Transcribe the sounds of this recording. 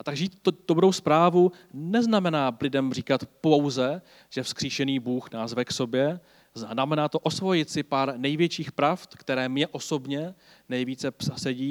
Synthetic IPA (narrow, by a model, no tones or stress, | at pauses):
at̪aɡʒiːt̪t̪od̪obudowspɾaːvu | nɛznamɛnaːblɪdɛmr̝iːkat̪po̞wzɛ | ʒ̥ɛfskr̥iːʃɛniːbuːxnaːzvɛkso̞bjɛ | zanamɛnaːt̪oʔo̞svo̞jɪt̪sɪpaːɾnɛjvjɛt͡ʃiːxpɾaft̪kt̪ɛɾɛːmɲɛʔo̞so̞bɲɛ | nɛjviːt͡sɛpsasɛɟiː